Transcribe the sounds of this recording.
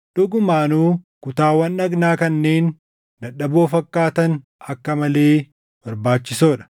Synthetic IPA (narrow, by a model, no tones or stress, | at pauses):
ᶑʊɡʊmaːnuːkʊt̪aːwɐnːɐɡnaːkɐnːe̞ːn | d̪ɐᶑːɐboːfɐkːaːt̪ɐnɐkːɐmɐleː | bɐɾbaːt͡ʃːɪsoːᶑɐ̥